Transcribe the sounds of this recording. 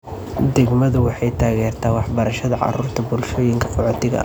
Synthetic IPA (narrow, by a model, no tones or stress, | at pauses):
d̪ɛɡmɐðʊwɑħɑjt̪ʰaːɣɛːrt̪ʰaːwɑħbɐɾɐʃɐðɐʕɑ̰ɾuːrt̪ʰɐbʊlʃɔːjɪŋkʰɐ̥qɔʕɔt̪ʰɪɣɐ̰